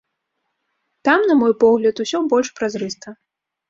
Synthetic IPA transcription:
t̪amnɐmɔjpɔɣlʲɐt̪usʲɔbɔlʲʂpɾazɾɨst̪ɐ

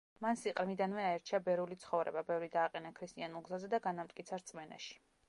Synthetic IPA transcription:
mansiqʼɾmid̪anvɛaɛɾt͡ʃʰiabɛɾulit̪sʰχɔvɾɛ̰babɛvɾid̪aːqʼɛnakʰɾist̪ʼianulˠɡzazɛd̪aɡanamt̪ʼkʼit̪sʰaɾt̪sʼmɛna̰ʃi̥

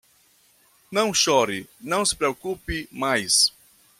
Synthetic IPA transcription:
nɐ̃w̃ʃɔɾɪnɐ̃w̃sɪ̥pɾeokupɪmajs

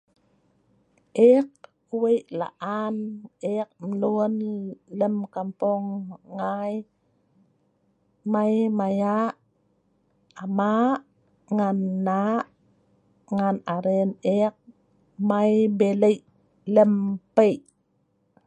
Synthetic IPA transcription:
ʔek̚ | uwejʔla̰ʔanek̚mluənləmkampɔŋːaj | majmajaʔ | maʔ | ŋanːaʔ | ŋanaɾenek̚ | majbeləjʔ | ləmpəjʔ

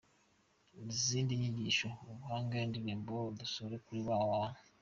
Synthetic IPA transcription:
iziːndiɲiɟiʃooβuhaːŋɡendiβiːmbodusuɾekuɾiβawaːn

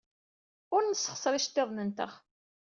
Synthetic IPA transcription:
ʊɾnəsːə̥χsˤɾiʃt̪ːeðˤnənt̪ə̰ʁ

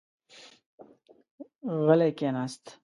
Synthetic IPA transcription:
ɣəlekenast̪

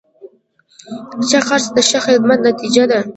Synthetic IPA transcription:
t͡ʃaxaɾsd̪əʃaxɪd̪mat̪nat̪id͡ʒad̪a

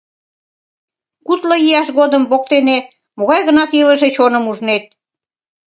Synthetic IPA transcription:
kut̪ləjiɑʃɣod̪əmbok̚t̪ene | moɣɑjɣənɑt̪ilə̆ʒet͡ɕonəmuʒnet̪̚

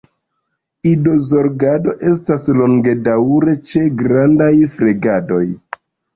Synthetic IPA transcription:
ido̞zo̞ɾɡado̞ʔe̞s̬taslo̞ŋɡe̞dawɾe̞t͡ʃe̞ɡɾandajfɾeɡado̞j

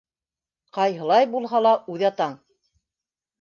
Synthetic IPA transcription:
qɑjɦɤ̆lˠɑjbulˠɦɑlˠɑʔʉðɑt̪ɑɴ

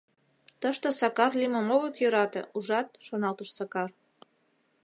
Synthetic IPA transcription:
t̪əʃt̪ɤ̆sɑkɑrliməmoɣək̪jøɾɑt̪ḛuʒɑt̪̚ʃonɑlt̪əʃsɑkɑr

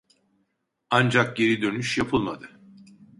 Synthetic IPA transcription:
and͡ʒak̚ɟe̞ɾid̪ø̞nyʃjapʰɯlˠmad̪ɯ

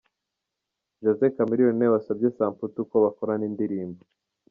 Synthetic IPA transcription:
d͡ʒozekamiɾionewasab̚ɟesaːmfutuko̞βakoɾaniːndiɾiːmbo

